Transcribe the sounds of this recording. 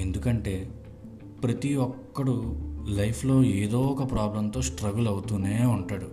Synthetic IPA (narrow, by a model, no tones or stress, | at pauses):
e̞nd̪ukɐɳʈe̞ː | pɾɐt̪iʋɔkːɐɽulɐjpʰlo̞ːeːd̪ɔːkɐpɾaːblɐmt̪o̞ːsʈɾɐɡulɐwut̪uneːuɳʈaːɽu